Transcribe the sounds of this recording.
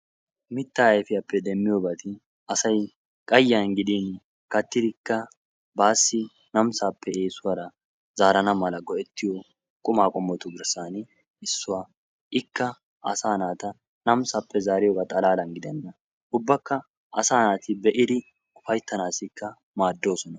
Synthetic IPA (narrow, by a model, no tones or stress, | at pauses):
mɪt̪ːaːjfɪjɐpːɛd̪ɛmːɪjoːbɐt̪ɪ | ɐsɐj | kʼɐjːanɡɪd̪in | kɐt̪ːɪd̪ɪkːɐ | baːsːɪ | nɐmsaːpːɛe̞ːsʊwɐɾɐ | zaːɾɐnɐmɐlɐɡɔʔɛt̪ːɪjɔ | kʼʊmaːkʼɔmːɔt̪ʊɡɪɾsaːn | ɪsːʊwaː | ɪkːɐ | ɐ̰saːnaːt̪ɐ | nɐmsaːpːɛzaːɾɪjɔɡɐt̪ʼɐlaːlɐnɡɪd̪ɛnːɐ | ʔʊbːɐkːɐ | ʔɐsaːnaːt̪ɪbɛʔɪd̪ɪ | kʊfɐjt̪ːɐnaːsɪkːɐ | maːd̪ːo̞ːsɔnɐ